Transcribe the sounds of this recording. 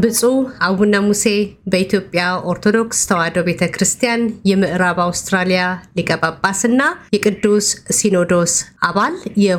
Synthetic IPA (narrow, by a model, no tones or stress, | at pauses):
bɨsʼuawunːamuse̞bəit̪ʰjo̞pʼjaʔoɾt̪ʰo̞d̪o̞kst̪ʰəwad̪oβe̞t̪ʰəkɾɨst̪ʰijanjɛmɨʔɾaβawst̪ɾalijalikʼəbapʼːasɨnːajɛkʼɨd̪ːusːino̞d̪o̞sʔaβaljɛ